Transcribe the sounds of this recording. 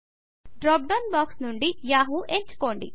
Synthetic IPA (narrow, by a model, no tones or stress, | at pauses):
ɖɾaːp̚ɖɐnbaːksnuɳɖijaːɦuʔeɲt͡ʃu̥ko̞ːɳɖḭ